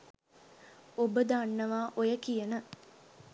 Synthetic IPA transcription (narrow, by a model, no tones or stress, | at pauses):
obəd̪anːəʋaːʔojəkijənə